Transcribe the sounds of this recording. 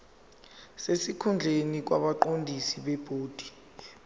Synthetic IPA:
sesikʰund͡ɮʱenik̬waɓaǃondʱisiɓɛb̥ʱoːd̥ʱi̥

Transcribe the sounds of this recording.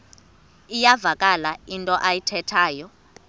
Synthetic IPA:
ijavakʼalaintʼɔʔajitʰɛtʰaːjɔ

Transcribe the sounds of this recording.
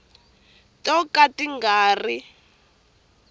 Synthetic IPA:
tɔkatiŋɡaːri

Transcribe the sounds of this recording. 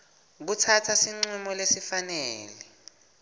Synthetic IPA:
k̬utʰatʰasiŋ͡ǀumɔlesifanɛːlɛ

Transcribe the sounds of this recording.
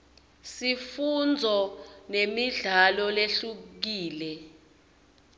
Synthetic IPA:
sifund͡zʱɔnemiɮalɔleɬuk̬iːlɛ

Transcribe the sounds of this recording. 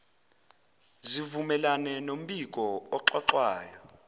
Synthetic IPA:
zivumɛlanɛnom̩ɓik̬ʼɔɔǁɔǁwaːjɔ

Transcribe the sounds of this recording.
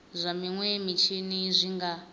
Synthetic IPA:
zʷamiŋwemit͡ʃʰinizʷiŋɡa

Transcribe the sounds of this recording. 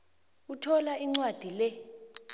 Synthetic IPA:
utʰɔlaiŋ͡ǀwad̥ʱilɛ

